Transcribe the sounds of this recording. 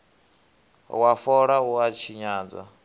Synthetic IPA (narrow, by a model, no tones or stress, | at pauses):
wafɔɺauat͡ʃʰiɲaːd͡za̰